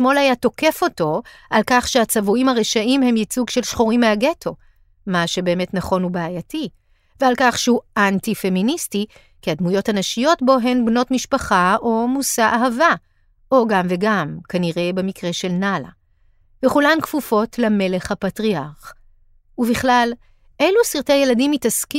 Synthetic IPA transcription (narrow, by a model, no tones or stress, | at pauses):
smo̞lajato̞ke̞fo̞to̞ʔalkaχʃeat͡savuimhaʁeʃaʔimhe̞mjit͡suɡʃe̞lʃχoʁimeaɡe̞tʰo̞ | maʃe̞be̞ːme̞tnaχo̞nubaːjati | vealkaχʃehuantife̞ministi | kiadmujo̞thanaʃijo̞tbo̞ɦenbno̞tmiʃpaχao̞musaʔaɦava | ʔo̞ɡamveɡamkaniʁe̞bemikʁe̞ʃe̞lnala̰ | veχulamkfufo̞tʰleme̞le̞χhapatʁiaʁχ | uviχlal | ʔe̞lusiʁteaje̞ladimitaski